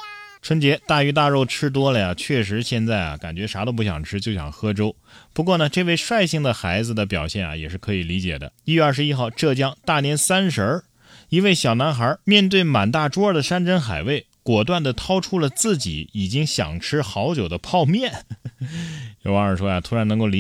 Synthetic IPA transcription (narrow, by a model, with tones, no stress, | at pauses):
ʈ͡ʂʰwə˥nt͡ɕjɛ˧˥t̪a˥˩y˧˥t̪̬a˥˧ɻo˥˩ʊʈ͡ʂʰɻ̩˥t̪̬wɔ˥lə˨ja˩t͡ɕʰɥɛ˥˩ʂ̬ɻ̩˧˥ɕjɛ˥˧nt͡sa˥˩ɪɐ̰˩ka̰˨˩nt͡ɕɥɛ˧˥ʂa˧˥ɾə˧p̬u˥˩ɕjɑ̰˨˩ŋʈ͡ʂʰɻ̩˥t͡ɕjo˥˩ʊɕjɑ̰˨˩ŋxɤ˥ʈ͡ʂo˥ʊ | pu˧˥k̬wɔ˥˩nə˩ʈ͡ʂɤ˥˧we˥˧ɪʂwa˥˧ɪɕi˥˩ŋd̪ə˩xa˧˥ɪd͡zɹ̩˧d̪ə˩pjɑ̰˨˩ʊɕjɛ˥˩nɐ̰˩jɛ˨˩ʂɻ̩˥˩kʰɤ˧˥i˨˩li˧˥t͡ɕjɛ̰˨˩d̪ə̰˦i˥ɥɛ˥˧ɐ˞˥˩ʂɻ̩˧i˥xɑ˥˧ʊʈ͡ʂɤ˥˩t͡ɕjɑ˥ŋt̪a˥˩njɛ˧˥nsa˥nʂə˧˥ | i˧˥we˥˩ɪɕjɑ˨˩ʊna˧˥nxə˧˥mjɛ˥˧nt̪we˥˩ɪma˨˩nt̪a˥˩ʈ͡ʂwɔ˥ə˞˥˧˩d̪ə˩ʂa˥nʈ͡ʂə˥nxa̰˨˩ɪwe˥˩ɪkwɔ˨˩t̪̬wa˥˩nd̪ə˩t̪ʰɑ˥ʊʈ͡ʂʰu˥lə˨t͡sɹ̩˥˩t͡ɕḭ˨˩˦i˨˩t͡ɕi˥ŋɕjɑ̰˨˩ŋʈ͡ʂʰɻ̩˥xɑ˧˥ʊt͡ɕjo˨˩ʊd̪ə˦pʰɑ˥˧ʊmjɛ˥˩n | o˧˩wɑ˧˥ŋə˞˨˩ʂwɔ˥ja˨˩t̪ʰu˥ɻa˧˥nɤ˧˥ŋko˥˩i˧˥